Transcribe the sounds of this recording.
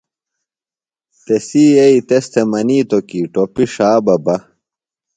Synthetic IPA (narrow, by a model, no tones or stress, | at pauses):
t̪esiːɐit̪est̪ʰemɐniːt̪okiʈopiʂaːbɐbɐ